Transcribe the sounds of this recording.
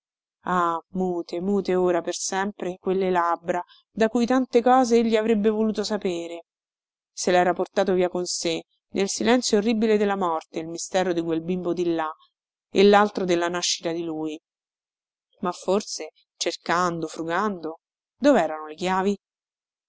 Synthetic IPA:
amuːt̪emuːt̪eoːɾapersɛmpɾekwelːelabɾa | d̪akujt̪ant̪ekɔːzeeʎːiavɾebːevoluːt̪osapeːɾe | selɛːɾaport̪aːt̪oviːakonse | nʔelsilɛnt̪sjoːrːibiled̪elːamɔrt̪eilmist̪ɛːɾod̪ikwelbimbod̪ilːa | ḛlːalt̪ɾod̪elːanaʃːi̥t̪ad̪iluːj | mafːorse | t͡ʃerkand̪ofɾuɡand̪o | d̪oveɛːɾanolekjaːvi

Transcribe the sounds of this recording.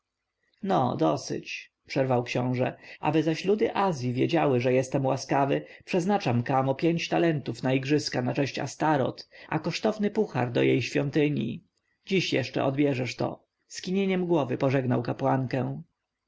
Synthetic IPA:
nɔ̰d̪ɔsɘ̰t͡ɕ | pʂɛɾvawkɕɔ̃w̃ʐɛ̰ʔa̰bɘzaɕlud̪ɘʔazʲjivʲjed͡ʑawɘʐɛjɛst̪ɛmwaskavɘpʂɛznat͡ʂamkamɔpʲjeɲt͡ɕt̪alɛnt̪ufnaiɡʐɘskanat͡ʂɛɕt͡ɕa̰st̪aɾɔ̰t̪ʔa̰kɔʂt̪ɔvnɘpuxa̰ɾd̪ɔ̰jejɕfʲjɔnt̪ɘɲḭ | d͡ʑiɕjɛ̰ʂt͡ʂɛ̰ʔɔd̪bʲjɛʐɛʂt̪ɔ̰ | skʲiɲeɲɛmɡwɔvɘpɔʐɛɡnawkapwaŋkɛ̃w̃

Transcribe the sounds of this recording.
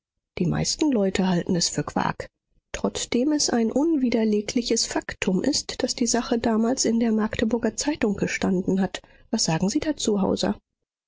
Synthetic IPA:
d̥iːma̰ɪstn̩lɔʏtʰəɦaltn̩ɛsfyːɐkv̥a̰ːk | tʁ̥ɔt͡sd̥eːmɛsʔaɪnʔʊnviːdɐleːkʰlɪçəsfaktʰʊmʔɪstd̥asd̥iːzaχədaːmaːlsɪndeːɐmaɐktʰəbʊɐɡɐt͡saɪtʊŋɡ̥əʃtandn̩ɦat | vasz̥aːɡŋ̩ziːdaːt͡suɦa̰ʊzɐ̰

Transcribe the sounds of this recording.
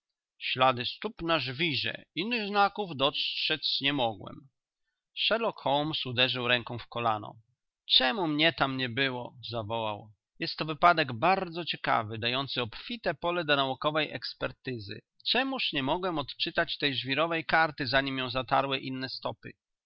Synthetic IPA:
ɕlad̪ɘst̪upnaʐvʲiʐɛ̰inːɘɣznakuvd̪ɔtʂɛt͡ɕɲɛmɔɡwɛ̰m | ʂɛlɔkxɔlmsud̪ɛʐɘwɾɛŋkɔ̃w̃fkɔla̰nɔ̰ | t͡ʂɛmumɲɛt̪amɲɛbɘwɔzavɔwa̰w | jɛst̪ːɔvɘpad̪ɛɡbaɾd̪zɔt͡ɕɛka̰vɘd̪ajɔnt̪sɘɔpfʲit̪ɛpɔlɛd̪ɔnaukɔvɛjɛ̰kspɛɾt̪ɘzɘ̰ | t͡ʂɛmuʂɲɛmɔɡwɛmɔt̪t͡ʂɘt̪at͡ɕt̪ɛjʐvʲiɾɔvɛjkaɾt̪ɘzaɲimjɔ̃w̃zat̪aɾwɘʔinːɛst̪ɔpɘ̰

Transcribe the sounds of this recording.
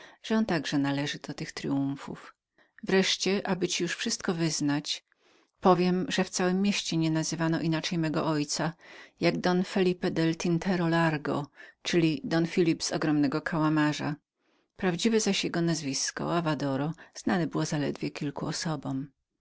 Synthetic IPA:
ʐ̥ɛɔnt̪aɡʐɛnalɛʐɘd̪̥ɔt̪ɘxt̪ɾɘuɱfṵf | vɾɛʂt͡ɕɛʔabɘt͡ɕijuʂfʂɨst̪̚kɔvɘznat͡ɕ | pɔvʲjɛmʐɛft̪sawɘmːʲjeɕt͡ɕɛɲɛnazɘvanɔʔinat͡ʂɛjmɛɡɔ̰ʔɔjt̪sajaɡd̪ɔnfɛlʲipɛd̪ɛlt̪ʲint̪ʰɛɾɔlaɾɡɔ̰t͡ʂɘlʲid̪ɔnfʲilʲipz̥ɔ̰ɡɾɔmnɛɡɔkʰawamaʐa̰ | pɾavd͡ʑivɛzaɕjɛɡɔnazvʲiskɔ̰avad̪ɔɾɔz̥nanɛbɘwɔzalɛ̰d̪vʲjɛkʲilkuɔsɔbɔm

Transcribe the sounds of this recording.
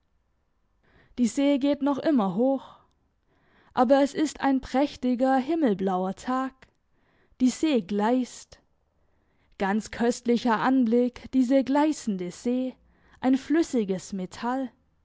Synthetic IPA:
d̥iːzeːɡeːtnɔχʔɪmɐɦoːx | ʔaːbɐɛsɪsta̰ɪnpʁ̥ɛçtɪɡɐɦɪml̩blaʊɐtʰaːk | d̥iːzeːɡlaɪst | ɡ̥ant͡skʰœstlɪçɐʔanblɪkd̥iːzəɡlaɪsn̩dəz̥eː | ʔaɪnflʏsɪɡəsmetʰal

